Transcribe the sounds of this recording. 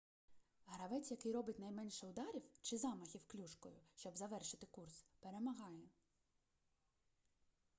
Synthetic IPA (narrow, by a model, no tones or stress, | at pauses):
ɦɾɐʋɛt͡sʲjɐkɪjɾɔbɪtʲnɐjmɛnʲʃɛʊd̪ɑɾʲiwt͡ʃɪzɑmɐxʲiwklʲuʃkɔ̰jʊ̰ʃt͡ʃɔbzɐʋɛrʃɪt̪ɪkurspeɾemɐɦɑjɛ